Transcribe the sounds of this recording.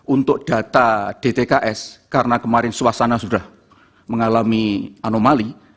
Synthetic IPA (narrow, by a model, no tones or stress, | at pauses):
ʔunt̪ʊk̚d̥a̤t̪ad̥et̪ekaʔɛskaɾənakəmaɾɪnsuasanasudah | məŋalamianomali